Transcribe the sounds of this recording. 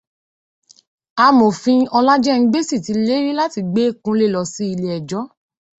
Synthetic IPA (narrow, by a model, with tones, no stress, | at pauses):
a˧mo˨fĩ˧ɔ˧la˦d͡ʒɛ˦˧ĩ˧ɡ͡be˦si˦˨ti˨˧le˦ɾi˦la˦ti˧ɡ͡be˦˨kũ˧˦le˦˨lɔ˧si˦i˧le˨ɛ˨d͡ʒɔ˨˦